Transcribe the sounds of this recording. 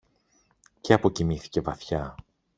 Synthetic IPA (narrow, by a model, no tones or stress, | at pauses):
ceɐpo̞cimiθi̥ce̞vɐθçɐ